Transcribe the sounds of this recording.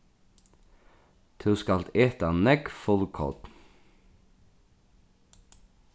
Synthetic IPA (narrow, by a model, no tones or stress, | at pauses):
t̪ʰʉːskɑlt̪eːt̪ɑnɛkfɔlkʰɔ̰t̪